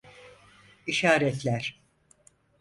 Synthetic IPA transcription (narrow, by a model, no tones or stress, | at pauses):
iʃaːɾɛt̪lʲæɾ̥